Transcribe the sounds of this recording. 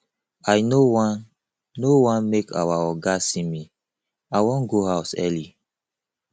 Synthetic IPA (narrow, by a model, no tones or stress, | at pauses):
ajnowãnː | owãnmekʰa̰waɔɡasĩmi | ajwɔ̃nɡoɦaʊsɛ̰li